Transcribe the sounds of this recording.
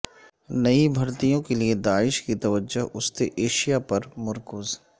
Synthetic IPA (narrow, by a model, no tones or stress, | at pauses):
nɐibʱɐɾt̪ijõkelied̪aːɪʃkit̪ɐʋəd͡ʒoɦʊst̪eʔeːʃijapɐɾmʊɾkʊz